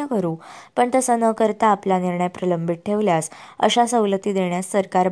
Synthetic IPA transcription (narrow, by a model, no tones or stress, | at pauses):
akəɾuːpəɳt̪əsənəkəɾt̪aːplaniɾɳəjpɾələmbʱiʈ̚ʈʰeʋljasə̰ɕasəwlət̪iːd̪eɳjasːəɾkaɾ